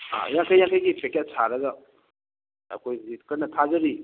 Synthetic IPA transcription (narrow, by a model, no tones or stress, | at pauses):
a̰jaŋkʰajːaŋkʰajɡipekedsaɾɐɡɐ | ɐ̰kʰojzikɐnɐtʰazɐɾi